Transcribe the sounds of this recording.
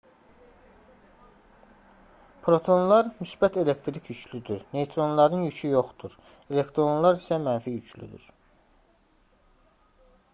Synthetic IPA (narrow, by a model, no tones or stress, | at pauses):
pʰɾo̞t̪ʰo̞nlˠɑɾmysbæt̪ʰe̞le̞kt̪ʰɾikʰjyt͡ʃʰlyd̪yɾne̞jt̪ʰɾo̞nlˠɑɾɯnjyt͡ʃʰyjo̞χd̪̥uɾ | e̞le̞kt̪ɾo̞nlˠɑɾisæmænfijyt͡ʃʰly̰d̪y̰ɾ